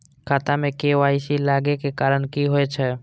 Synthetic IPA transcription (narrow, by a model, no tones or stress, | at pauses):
kʰaːt̪ãmẽkeʋaːɪsilaːɡekekaːɾəɳkiɦoet͡ʃʰɛ